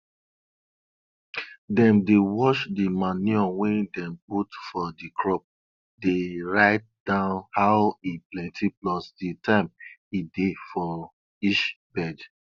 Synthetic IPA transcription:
dɛ̃mdewɔʃdimaniɔ̃wɛ̃ndɛ̃mputfɔdikʰɹɔp̚ | deɹaɪt̚dãʊ̃nhaʊiplɛ̃ntʰiplɔsditʰãɪmidefɔ | iʃ | bɛd

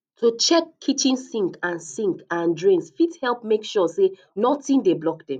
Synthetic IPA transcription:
tʰot͡ʃɛkʰːit͡ʃĩnssĩŋkãnsĩŋkãndɹĩŋsfithɛlˠpmekʃɔse | nɔtĩndeblɔkdɛ̃m

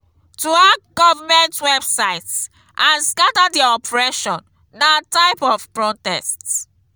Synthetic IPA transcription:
tuaɡɔvamɛ̃ntwɛbsaɪts | ʔãnskatadiɔpɹɛʃɔ̃nː | ataɪpɔv̥pɹɔtɛsts

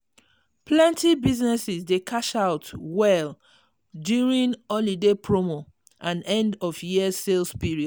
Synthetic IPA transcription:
plɛ̃ntibiznɛsizdekʰaʃaʊtwɛl | djuɹĩnɔlidepʰɹomo | ʔãnɛ̃ndɔfjiəselspiɹiɔd

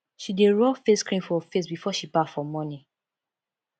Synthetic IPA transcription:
ʃideɹɔfeskɹĩnfɔfesbifɔʃibafɔmɔni

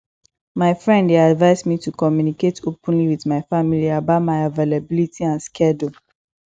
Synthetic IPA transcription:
maɪfɹɛ̃ndeadvaɪzmitukɔmjuniketʰopə̃nliwiðmaɪfamiliabamaɪavelabilitʰiãnskʰɛdu

